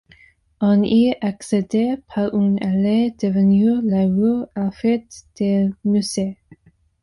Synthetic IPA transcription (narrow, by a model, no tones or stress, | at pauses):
ɔniaksed̪epʰaʁynaled̪̥əvənyʁlaʁuʁafɛt̪d̪̥emyze